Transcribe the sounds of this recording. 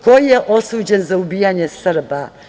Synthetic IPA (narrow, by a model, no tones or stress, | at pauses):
ko̞jijeʔo̞suːd͡ʑenzaubijaɲe̞srba